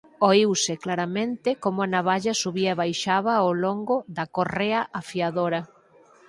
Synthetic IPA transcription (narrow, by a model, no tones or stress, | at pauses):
oiwsɪklaɾamẽnt̪ɪkomʊanaβaʎɐsuβiaeβajʃaβɐoloŋɡʊðɐkoreɐʔafiaðoɾɐ